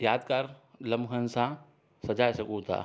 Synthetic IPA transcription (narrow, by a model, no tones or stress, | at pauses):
jaːd̪kaɾlɐmɦənsã | sɐd͡ʒaːsɐkuːt̪ʰa̰ː